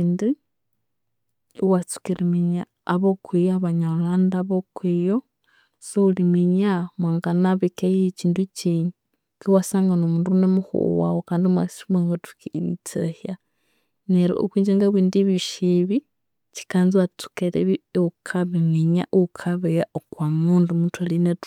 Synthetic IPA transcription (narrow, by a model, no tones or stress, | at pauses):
indi | wat͡su̥kiɾimiɲaː | βokʰwijaaβaɲalandaβokwijo | soulimiɲamwaːŋɡanaβikejit͡ʃiːndut͡ʃiɲu | kiwasaːŋɡanomuːnduunemuxṵwa̰wokaːndimwa̰smaŋɡatu̥kiit͡sehja | neɾo̰ʔo̰kwiːɲd͡ʒeŋɡaβiːndiβiʃiβi | t͡ʃi̥kanziwat͡su̥keɾeβiukʰaβemiɲaʔukʰaβejaokwamundumutwalinet